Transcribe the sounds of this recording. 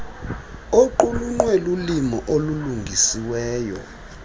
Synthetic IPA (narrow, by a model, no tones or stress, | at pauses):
oǃuluŋ͡ǃwɛlulimɔʔoluluŋɡʱisiwɛːjɔ̰